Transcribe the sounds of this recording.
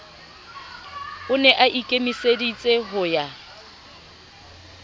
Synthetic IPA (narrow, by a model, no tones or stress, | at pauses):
ʊnɛʔaʔikʼemisedit͡sʼeɦʊja